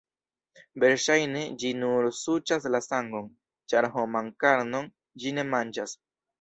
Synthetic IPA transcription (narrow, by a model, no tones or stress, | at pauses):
be̞ɾʃajne̞d͡ʒinuɾsut͡ʃaslasaŋɡo̞n | t͡ʃaɾɦomaŋkaɾno̞n | d͡ʒine̞mand͡ʒas